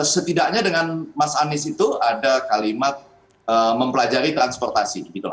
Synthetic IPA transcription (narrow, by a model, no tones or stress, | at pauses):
sət̪idak̚ɲadəŋanmasanɪsit̪uadakalimat̪̚ | əməmpəlad͡ʒaɾit̪ɾanspɔrt̪asidəbit̪ula